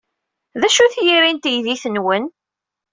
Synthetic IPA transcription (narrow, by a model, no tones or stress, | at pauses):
ðæʃuθjiɾint̪jðiθənwən